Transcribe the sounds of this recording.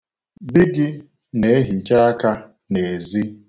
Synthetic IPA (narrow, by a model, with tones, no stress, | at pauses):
bɪ˦ɡɪ˦ | ne˨e˦ɦi˨t͡ʃa˦a˦ka˦ | ne˨e˨zi˦